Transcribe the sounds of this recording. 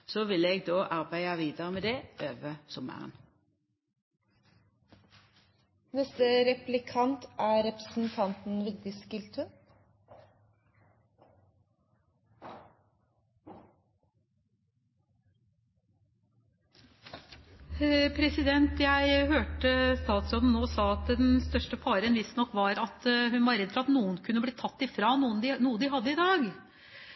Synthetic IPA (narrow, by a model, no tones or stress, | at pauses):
soːʋɪleɡ̚d̪oːʔɑʁbæɪɑʋiːd̪əʁəmeːd̪ɛʔøːʋəsʊmə̰ʁən | nɛst̪əɾɛplɪkʰɑnt̪æːɾɛpəsn̩t̪ʰɑnt̪n̩ʋɪːd̪̚d̪ɪskɪlt̪ʰə | pʰɾɛsɪd̪ɛnt̪jæɪhøːʈəst̪ɑːt̪sɔn̩noːsɑːɑt̪̚d̪ɛd̪ɛnst̪œʂʈəpʰɑːɾənʋɪst̪nɔkːʋɑɾɑt̪ɦʉnʋɑɾɛd̪fœɾɑt̪nuːənkʰʉnːəbliːt̪ʰɑt̪ːɪfɾɑːnuːənd̪ɪnuːəd̪ɪɦɑd̪ːəɪd̪ɑːɡ